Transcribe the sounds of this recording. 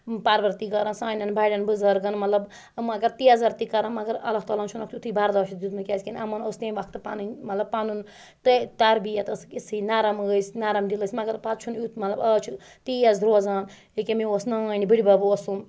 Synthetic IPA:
paɾʋɐɾt̪iɡɐɾɐ̃nsaːnʲɐnbaɽɐnbɨzɐɾɡɐnmɐt̪lɐb | mɐɡɐɾt̪iɐzɐɾt̪ikɐɾãnmɐɡɐɾɐ̰lːɐɦt̪aːlaːnt͡ʃʰunɐkt̪ʰut̪ʰɨbaɾd̪aʃʰit̪d̪ut̪mɨkʲasʲkinʲʔɐmɐnost̪enʲʋakʰt̪ɨpanɨnmɐt̪lɐbpanun | t̪et̪ɐɾbijɐt̪ɐskisʰinaɾɐməsnaɾɐmdilɨsʲmɐɡɐɾpat̪t͡ʃʰunjut̪mɐt̪lɐbɐt͡ʃʰu | t̪iɐzɾoːzaːn | ekemiosnɐnibiɽibɐbosum

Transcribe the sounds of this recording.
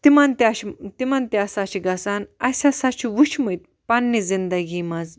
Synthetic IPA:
t̪imant̪ʲaɕt̪imant̪iasaʃiɡɐsanɐsʲasaʃʰiʋuʃʰməjt̪̚ | panːizind̪ɐɡiːmaz

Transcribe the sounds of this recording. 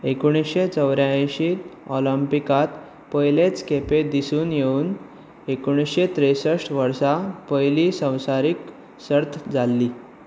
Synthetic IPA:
ekuɽ̃isɕet͡səwɾjajɕiːt̪ɔləmpikat̪ | pəjlet͡skeped̪isuːnjeuːn | ekuɽ̃isɕet̪ɾesəʂʈʋəɾsapəjlisə̃w̃saɾiːk | səɾt̪ʰd͡zalːiː

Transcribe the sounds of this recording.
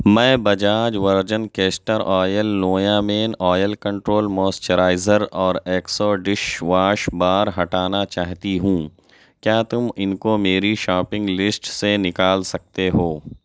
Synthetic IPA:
mɛ̃ːbɐd͡ʒaːd͡ʒʋɐɾd͡ʒənkeːsʈəɾɔːjəlnoːjaːmeːnɔːjəlkɐ̃ɳʈɾoːlmɔːst͡ʃəɾaːɪzəɾɔːɾeːksoːɖɪʃʋaːʃbaːɾɦɐʈaːnat͡ʃaːɦt̪iɦũː | kjaːt̪ʊmɪnkomeːɾiʃɔːpɪ̃ŋɡlɪsʈsenɪkaːlsɐk̚t̪eɦoː

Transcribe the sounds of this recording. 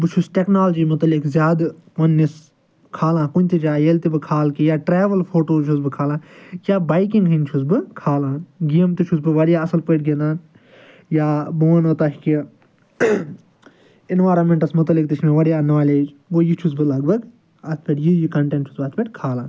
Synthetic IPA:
bɨt͡ʃʰusʈeknaːlɐd͡ʒiːmʊt̪ɐlɪkzʲjaːd̪ʋɐnːis | kʰaːlãːkʊnʲt̪id͡ʒaːjelt̪ibɨkʰaːlkijaːʈɾeːʋɐlpʰoːʈoːt͡ʃʰusbɨkʰaːlãːkaːbaːjkĩŋɡɦint͡ʃʰusbɨkʰaːlãːnɡijəmt̪it͡ʃʰus̬bɨʋɐɽjaːɐsɐlpəːʈɡeːnd̪aːn | jaːboːnoːt̪aːkki | ɪnʋaːɾɐnmẽɳʈɐsmʊt̪ɐlːɪkt̪it͡ʃʰmẽʋɐɽijaːnaːleːd͡ʒ | ʋoːjit͡ʃʰus̬bɨlɐɡbɐɡ | ɐt̪ʰpʲeʈjijikɐɳʈẽɳʈt͡ʃʰusbɐt̪ʰpʲeʈkʰaːlãːn

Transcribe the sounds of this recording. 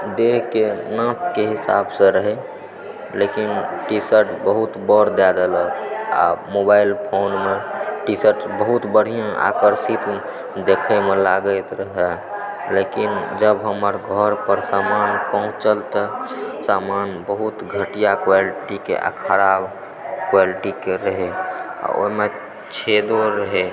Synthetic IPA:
d̪eɦkenãp̪ʰkeɦisa̰bsə̃ɾəɦɛ | lekinʈisəɾʈbəɦut̪bəɾd̪ad̪ələka̰mobailpʰonmeʈisəɾʈbəɦut̪bəɽ̤ijãʔa̰kəɾsit̪ | d̪ekʰemelaɡəjt̪ɾəɦɛ | lekind͡ʒəbɦəməɾɡʱəɾpəɾsamanpəɦũt͡ʃəlt̪əsamanbəɦut̪ɡʱəʈijakwaliʈikḛʔa̰kʰəɽab | kwaliʈikeɾəɦea̰o̰ime | t͡ʃʰed̪oɾəɦɛ

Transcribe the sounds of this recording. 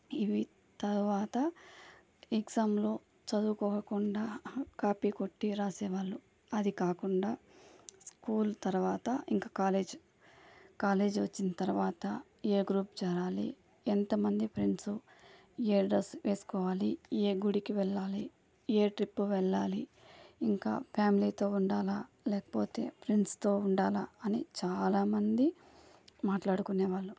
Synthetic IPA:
iʋi | t̪ɐɾuʋaːt̪ɐ | eɡsaːmloː | t͡ʃɐd̪uːkɔːɐkuɳɖaːkaːpiko̞ʈːiɾaːsɛːʋaːɭːu | ɐd̪ikaːkuɳɖaːskuːlt̪ɐɾuʋaːt̪ɐiŋkḁːkaːleːd͡ʒ | kaːle̞ːd͡ʒʋɐt͡ʃːinɐt̪ɐɾuʋaːt̪ɐ | eːɡɾuːpt͡ʃɛːɾaːlḭ | ɛnt̪ɐmɐnd̪ipʰɾiɳʈsu | eːɖɐsʋʔe̞ːsu̥kɔːʋaːlieːɡuɽikiʋɛɭːaːli | eːʈɾipːuʋɛɭːaːli | iŋka̰ːpʰjaːmiliːt̪o̞ːuɳɖaːla | lɛːkɐ̥po̞ːt̪e̞̰ːpʰɾiɳʈst̪o̞ːuɳɖaːlaɐnit͡ʃaːlaːmɐnd̪i | maːʈlaːɽukunːeːʋaːɭːu

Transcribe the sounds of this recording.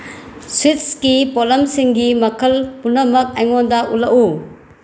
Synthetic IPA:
switskipolɐmsiŋɡimɐkʰɐlpunɐmɐk̚ɐjŋondaulɐʔu

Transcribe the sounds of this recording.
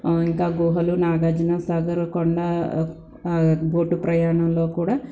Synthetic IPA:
iŋkaːɡuːɦɐlunaːɡaːd͡ʒinasaːɡɐɾkɔɳɖa | ɡoːʈːupɾɐjaːɳɐmlo̞ːkuːɽaː

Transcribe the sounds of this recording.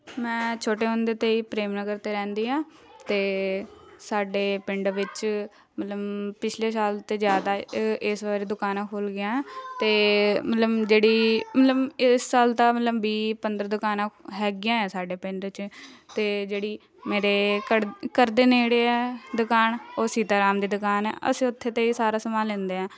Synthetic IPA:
mɛ̃ːt͡ʃʰoːʈeːɦʊ̃nd̪eːt̪eːiːpɾeːmnəɡəɾt̪eːɾɛ̃ːnd̪iːɦãː | t̪eː | saːɖeːpɪɳɖʋɪt͡ʃ | mət̪ləbpɪt͡ʃʰleːsaːlt̪eːzjaːd̪aːɪsʋaːɾiːd̪ʊkaːnãːkʰoːlɡɪjãːɛːt̪eːmət̪ləbd͡ʒeːɽiːmət̪ləbɪsːaːlt̪ãːmət̪ləbbiːpənd̪əɾd̪ʊkaːnãːɦɛːɡɪjãːɛːsaːɖeːpɪɳɖt͡ʃt̪eːd͡ʒeːɽiː | meːɾeːkəkəɾd̪eːneːɽeːɛːd̪ʊkaːnoːsiːt̪aːɾaːmd̪iːd̪ʊkaːnɛ̰ːʔə̰sĩːʊt̪ʰːeːt̪eːiːsaːɾaːsəmaːlẽːnd̪eːɛ̃ː

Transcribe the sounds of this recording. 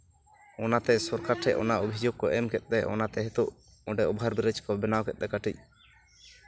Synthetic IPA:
ɔnat̪ɛsɔɾkaɾʈʰɛʔɔ̰naʔobʱid͡ʒoɡ̚kɔʔɛmkɛt̪̚ˀt̪ɛʔɔ̰nat̪ɛɦɛt̪uʔ | ɔɖɛʔɔbɦaɾbiɾɛd͡ʒkɔbɛnawkɛt̪̚ˀt̪ɛkaʈʰic̚

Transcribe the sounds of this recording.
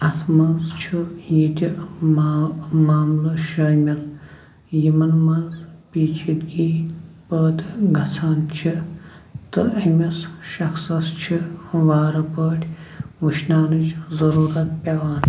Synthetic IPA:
ɐt̪ʰmɐnzt͡ʃʰujit̪ʲi | maːmluʃɐːmʲɐl | jimɐnmɐnzpiːt͡ʃʰid̪ɡipəːt̪ɡʱɐt͡sʰaːnt͡ʃʰi | t̪ɨʔɐmʲɐsʃɐksɐst͡ʃʰiʋaːɾɐpəːʈʲʰʋɨʃnaːnɨd͡ʒzɐɾuːɾɐt̪̚pʲɐʋaːn

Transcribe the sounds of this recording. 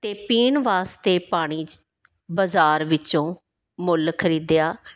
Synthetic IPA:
t̪eːpiːɳʋaːst̪eːpaːɽ̃iː | bəzaːɾʋɪt͡ʃõː | mʊlkʰəɾiːd̪jaː

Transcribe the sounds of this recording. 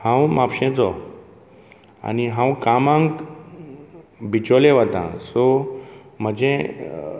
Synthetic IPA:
hãwmapɕẽt͡sɔ | a̰niɦãwkamãŋk | bʱit͡ɕoleʋət̪ã̰sɔ | m̤əd͡ʑe

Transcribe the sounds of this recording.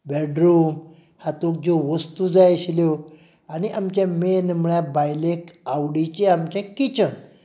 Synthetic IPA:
bɛɖɾuːm | hat̪ok̚d͡zoʋəst̪ud͡zajɕljo | añiʔamt͡ɕjamenməɭjabajlekawɽit͡ɕeamt͡ɕjakit͡ɕən

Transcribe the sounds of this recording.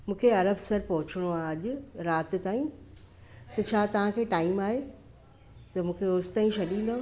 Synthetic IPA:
mũːkʰeɐɾəbsɐɾpɐɦʊt͡ɕɪɽ̃oaːɐʄʊ̆ɾaːt̪ɪ̆t̪aːĩ | t̪ɐt͡ɕʰaːt̪ɐʋ̤ãkʰeːʈaːɪmaːɦe | t̪ɐmũːkʰeʊst̪aĩʃɐɗĩːnd̪o

